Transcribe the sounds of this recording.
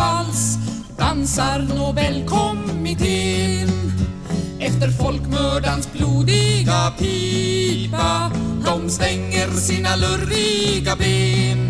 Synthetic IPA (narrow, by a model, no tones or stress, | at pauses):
als | d̪̥ansaɾnoːvɛlkʰɔmɪt̪ʰɪn | ɛft̪əɾfɔlkmœːɖansbluːd̪ɪɡapʰi | pad̪ɔmst̪ɛŋːəɾsiːnalœɾiɡabeːn